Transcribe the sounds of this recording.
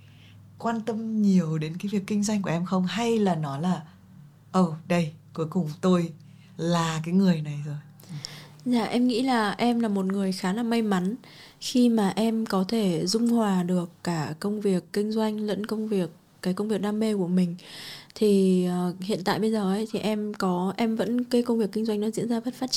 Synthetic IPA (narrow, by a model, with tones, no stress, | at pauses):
kwaː˧nt̪ə˧mɲi˨˩əwɗe˨˦nkaː˨˦vi˨˩əkːï˧ŋ̟zwa˧jŋ̟k̬u˧˩əʔɛ˧mxə˧wŋ͡mha˧jlaː˨˩nɔ˨˦laː˨˩ | ʔə˧˩wɗə˧jku˨˦jkʊ˨˩ŋ͡mt̪o˧j | laː˨˩kaː˨˦jŋɨ˨˩əjna˨˩jzo˨˩j | za̰ː˧˩ʔɛ˧mŋḭ˧˥laː˨˩ʔɛ˧mlaː˨˩mo˨˩t̚ŋɨ˨˩əjxaː˨˦laː˨˩ma˧jma˨˦n | xi˧maː˨˩ʔɛ˧mkɔ˨˦t̪ʰe˧˩zʊ˧ŋ͡mhwaː˨˩ɗɨ˨˩əkːaː˧˩kə˧wŋ͡mvi˨˩əkːï˧ŋ̟zwa˧jŋ̟lə̰˧˥nkə˧wŋ͡mvi˨˩ək̚ːaː˨˦jkə˧ŋ͡mvi˨˩ək̚ɗaː˧mːe˧ku˧˩əmï˨˩ŋ̟t̪ʰi˨˩˨hḭ˧˨ənt̪a̰ː˧˨jɓə˧jzəː˨˩ʔə˨˦jt̪ʰi˨˩ʔɛ˧mkɔ˨˦ʔɛ˧mvə̰˧˥nkə˧jkə˧wŋ͡mvi˨˩əkːï˧ŋ̟zwa˧jŋnɔ˨˦zḭ˧˥ənzaː˧və˦˥t̚faː˦˥t̚t͡ɕ